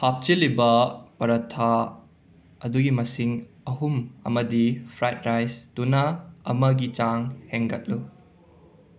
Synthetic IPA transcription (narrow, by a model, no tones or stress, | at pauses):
hap̚t͡ʃilibɐpɐɾɐtʰa | ɐduɡimɐsiŋ | ɐɦumɐ̰mɐdipʰɾajt̚ɾajstunɐɐ̰mɐɡit͡ʃaŋheŋɡɐ̰t̚lu